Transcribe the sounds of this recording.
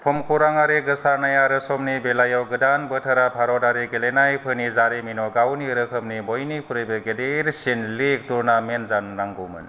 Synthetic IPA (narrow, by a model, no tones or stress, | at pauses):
pʰɔmkʰuɾaŋaɾeɡɯsaɾnajaɾɯsɔmnibelajɔwɡɯdanbətʰɯɾapʰaɾɔdaɾeɡelenajpʰɯnizaɾeminɔɡawniɾɯkʰɯmnibɔjnipʰuɾɯjbɯɡedeɾsinlek̚duɾnamenzanːaŋɡɔmɯ̰n